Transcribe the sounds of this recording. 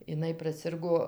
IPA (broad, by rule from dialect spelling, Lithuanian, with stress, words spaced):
ɪˈnɐɪ prɐˈsʲɪrɡoː